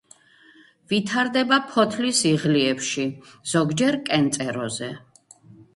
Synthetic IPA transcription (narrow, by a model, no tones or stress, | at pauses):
vit̪ʰaɾd̪ɛbapʰɔt̪ʰlisiʁliɛpʃiz̥ɔɡd͡ʒɛɾkʼɛnt̪sʼɛɾɔzɛ